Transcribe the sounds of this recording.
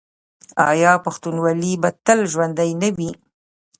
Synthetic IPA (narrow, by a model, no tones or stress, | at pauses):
ɑ̰jɑpaxt̪unwalibat̪əlʒwand̪ajnawi